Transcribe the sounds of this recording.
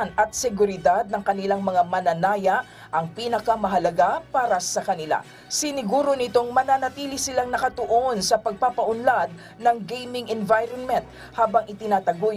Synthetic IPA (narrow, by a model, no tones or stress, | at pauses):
nɐt̪̚sɛɡʊɾɪd̪ad̪̚nɐŋkɐnɪlaŋmɐŋamɐnɐnaːja | ʔɐŋpiːnɐkɐmɐɦɐlɐɡapaːɾɐsɐkɐnɪla̰ | sɪnɪɡuːɾo̞nɪt̪o̞ŋmɐnaːnɐt̪iːlɪsɪlaŋnɐkɐt̪ʊʔo̞nsɐpɐɡ̚papɐʔʊnlad̪̚ | nɐŋɡejmɪŋɛnvajɾonmɛnt̪̚ | haːbɐŋʔɪt̪ɪnaːt̪ɐɡuj